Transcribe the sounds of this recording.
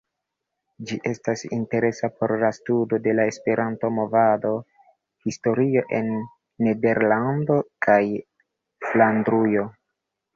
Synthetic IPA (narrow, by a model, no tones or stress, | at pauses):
d͡ʒiʔe̞stasḭnte̞ɾe̞sapo̞ɾlastudo̞de̞lae̞spe̞ɾʔanto̞mo̞vado̞ | histo̞ɾio̞ʔe̞nː | e̞de̞ɾlando̞kʰaj | flandɾujo̞